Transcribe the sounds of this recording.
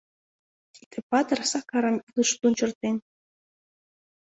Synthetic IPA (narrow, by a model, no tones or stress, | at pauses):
t̪i̥t̪ʰĕpɑt̪ɤrsɑkɑɾɑmlɯʃt̪unt͡ɕə̆rt̪en